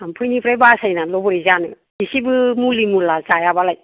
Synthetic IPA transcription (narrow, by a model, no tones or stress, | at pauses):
ampʰɯjnipʰɾajbasajnalɔbɔɾizanɯ̰ | isibɯmulimulazajabalaj